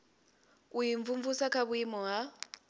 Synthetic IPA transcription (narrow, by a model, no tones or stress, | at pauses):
ujiɱvuɱvusakʰaβuimɔɦa